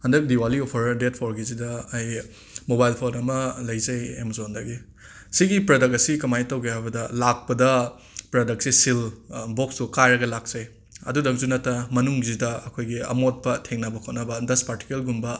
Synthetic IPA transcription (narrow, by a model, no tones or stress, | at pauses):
hɐndɐk̚diwaliopʰɐɾdet̚pʰoɾɡizidɐɐj | mobajlpʰonɐmɐlɐjzɐjemzondɐɡi | siɡipɾɐdɐk̚ɐsikɐmajtɐwɡeajbɐdɐlak̚pɐdɐ | pɾɐdɐk̚sisilbok̚sukajɾɐɡɐlak̚z̥ɐj | ɐ̰dudɐkzunɐtːɐmɐnuŋzidɐɐkʰojɡiɐ̰mot̚pɐtʰeŋnɐbɐkʰot̚nɐbɐdɐspaɾti̥kuelɡumbɐ